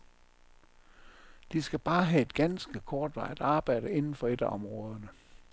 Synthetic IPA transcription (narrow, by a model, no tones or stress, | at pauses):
d̥isɡ̥æb̥ɑ̈ːɦæe̝d̥ɡ̥ænsɡ̥əkʰɒːd̥ʋɑ̈ɪ̰æd̥ɑ̈ːb̥ɑ̈ɪ̰ɾ̥əe̝nn̩fɒ̽e̝d̥æʔɒ̽mʁɔ̽ːð̞ˠɐnə